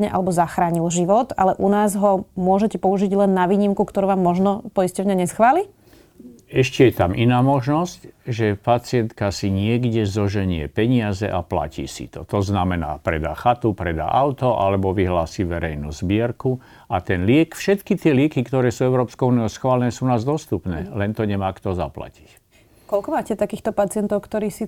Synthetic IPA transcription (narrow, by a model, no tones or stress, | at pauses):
ɲɛ̰ʔa̰lɛbɔzaxɾaːɲilʒiʋɔt̪a̰lɛʔunaːzɦɔmʊɔʒɛcɛpɔuʒiɟlɛnːaʋiːɲimkukt̪ɔɾuːʋaːmːɔʒnɔpɔiscɔʊɲaɲɛsxʋaːli | ɛʃcɛjɛt̪amʔinaːmɔʒnɔscʒɛpat͡sɪɛnt̪kasiɲɪɛɡɟɛzɔʒɛɲɪɛ̰pɛɲɪazɛ̰ʔapla̰cḭːsḭt̪ɔ̰t̪ɔznamɛna̰ːpɾɛd̪a̰ːxat̪upɾɛd̪a̰ːʔaʊt̪ɔʔa̰lɛbɔʋiɦlaːsiːʋɛɾɛjnṵːzbɪɛɾku | at̪ɛnlɪɛkfʃɛt̪kit̪ɪɛlɪɛkikt̪ɔɾɛːsuɛʊɾɔːpskɔʊuːnijɔʊsxʋaːlɛnɛːsuːnaːzd̪ɔst̪upnɛːlɛnt̪ɔɲɛmaːkt̪ɔza̰pla̰ci̥c | kɔlkɔmaːcɛt̪akiːxt̪ɔpat͡sɪɛnt̪ɔʊkt̪ɔɾiːsi